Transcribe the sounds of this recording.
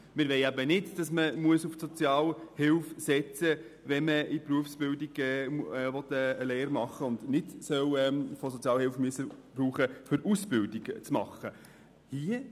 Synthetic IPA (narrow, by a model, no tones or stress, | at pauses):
mɪɾʋɛɪæbənɪdd̥ɑsməmuəsufsɔt͡sjɑːlhɪlfsɛt͡sə | ʋɛnməipruəfsb̥ɪldiɡɛʋɔt̪ːəːleːɾmɑχːəʊndnɪtsœwɛfosɔt͡sjɑːlhɪlfmyəsːəb̥ɾuːχəfʏɾusb̥ɪldiɡt͡smɑ̰χə | hi